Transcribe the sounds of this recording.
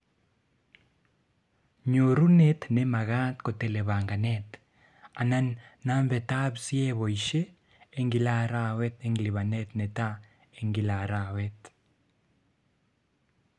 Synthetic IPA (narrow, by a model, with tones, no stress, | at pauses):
ɲo˨ɾu˦net̪nema˨ɣa˦t̪ko˨te˨le˨βaː˨ŋɡa˨net̪ | a˨na˦nːa˦ɱve˨ta˦βsi˦e˦βo˨iʃeː˦ | ŋɡi˨la˦ɾawe˦t̪eŋɡili˨βa˨net̪ne˨ta˦ | eŋɡi˨la˨ɾawet